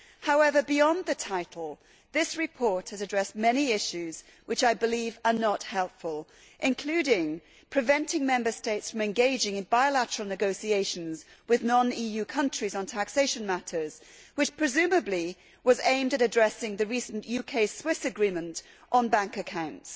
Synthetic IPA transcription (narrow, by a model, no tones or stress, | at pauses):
haʊɛvə˞biɑ̃nðɨtʰaɪɾˡl̩ˠ | ðɪsɹɨpʰɔɹt̚hɨzɨdɹɛst̚mɛniɪʃʉz̥ | wɨt͡ʃaɪbɨlivə˞nət̚hɛlˠpfəlˠ | ʔɨ̃nkʰl̥ʉɾɪ̃ŋ | pʰɹ̥ɨvɛ̃ntɪ̃ŋmɛ̃mbə˞steɪtsfɹʌ̃mɨ̃nɡeɪd͡ʒɪ̃ŋɨ̃nbaɪəlæɾə˞l̩ˠnɨɡoʊsieɪʃɨ̃n̩zwɨðnɑ̃nijʉkʰʌ̃nt͡ʃɹ̥izn̩tʰækseɪʃɨ̃n̩mæɾə˞z̥ | wɨt͡ʃpʰɹ̥ɨzʉ̃mɨbli | wʌzẽɪ̃mdɨɾɨdɹɛsɪ̃ŋðɨɹisn̩jʉkʰeɪswɪsɨɡɹĩmɨ̃nt | ʔn̩bæ̃ŋkɨkʰãʊ̃nts